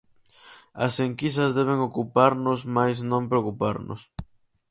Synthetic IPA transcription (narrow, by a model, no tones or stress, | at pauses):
ɐ̰seŋkisɐzðɛβ̞eŋokupaɾnʊsmajsnõmpɾeokupaɾnʊ̰s